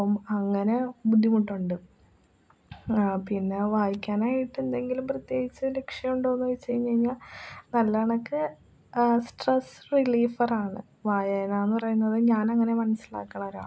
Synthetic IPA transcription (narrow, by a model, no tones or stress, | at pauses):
ɐmɐŋːɐne̞bud̪ʱːimuʈːuɳɖɨ | pinːe̞ʋaːjikʲːaːnaːjiʈːend̪e̞ŋɡilumprɐt̪je̞ːɡit͡ɕːɨle̞kʂjɐmuɳɖoːnːʋɐjt͡ɕːejːumeiɲːaːlnɐlːaːɳɐkːɨ | sʈresriliːfɐraːɳɨ̰ | ʋaːjajnaːjenːɨpɐrɐjunːɐðɨɲaːnɐŋːɐne̞mɐnɐsila̰ːkːɐɳɐmoɾa̰ː